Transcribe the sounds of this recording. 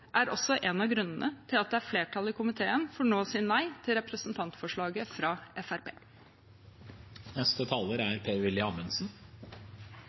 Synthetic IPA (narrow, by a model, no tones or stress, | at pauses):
ʔæɾɔsːɔʔɛnɑʋɡɾʉnːənʔət̪ʰɪlɑt̪̚d̪ɛæɾfleːʈʰɑlˠəɪkʰʊmɪt̪ʰeːənfɔɾɳoːsɪnːæɪt̪ʰɪlɾɛpɾəsn̩t̪ʰɑnt̪fɔʂɭɑːɡəfɾɑːʔɛfæɾpʰḛː | nɛst̪ət̪ʰɑːləɾæɾpʰeːʋɪlɪɑmənsn̩